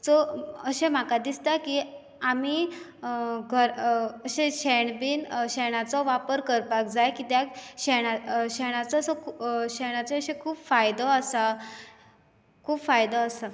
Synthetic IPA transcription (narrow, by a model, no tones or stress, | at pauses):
t͡sɔəɕẽm̤akad̪ist̪aki | ami | ɡʱəɾəɕeɕeɳbiːnɕɛɽ̃at͡sɔʋapəɾkəɾpakd͡zajkit̪jakɕɛɽ̃aɕeɽ̃at͡sɔsɔkʰɕeɽ̃at͡seəɕekʰuːbfajd̪ɔəsa | kʰuːbfajd̪ɔəsa